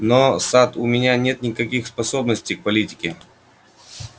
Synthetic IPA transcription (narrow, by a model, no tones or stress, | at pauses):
nosat̪ʊmʲɪnʲanʲe̞t̪nʲɪkɐkʲixspɐsobnəsʲtʲɪjk̚pɐlʲitʲɪ̥kʲɪ